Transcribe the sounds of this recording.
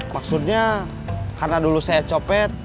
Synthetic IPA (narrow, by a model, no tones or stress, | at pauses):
maksut̪̚ɲa | karnadulusajat͡ʃopɛt̪̚